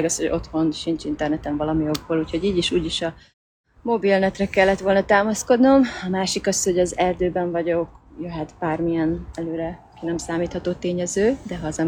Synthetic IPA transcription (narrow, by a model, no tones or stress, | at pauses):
ɡɒshoɟo̞̰t̪ho̞nʃint͡ʃint̪ɛrnɛt̪ɛɱvɒlɒmijo̞ɡboluːcho̞ɟiːɟiʃuːɟiʃɒ | mo̞bilnɛt̪rɛkɛlːɛt̪ʋo̞lnɒt̪aːmɒsko̞d̪no̞mɒmaːʃikɒsho̞ɟɒzɛrd̪øːbɛɱvɒɟo̞kjoɦat̪baːrmijɛnɛløːɾɛkinɛmsaːmiːt̪hɒt̪oːt̪eːɲɛzøːd̪ɛɦɒːzɛ